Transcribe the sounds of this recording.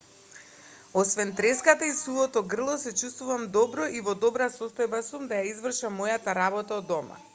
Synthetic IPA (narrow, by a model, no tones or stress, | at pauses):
ɔsvɛnt̪ɾɛskat̪aisulˠɔt̪ɔɡr̩lˠɔsɛt͡ʃust̪vuvamd̪ɔbɾɔʔivɔd̪ɔbɾasɔst̪ɔjbasumd̪ajaizvr̩ʃamːɔjat̪aɾabɔt̪aɔd̪ɔma̰